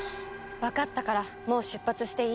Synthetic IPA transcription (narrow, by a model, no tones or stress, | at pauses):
βakat̪ːakaɾa | mo̞ːɕɨpːat͡sɨɕi̥t̪e̞i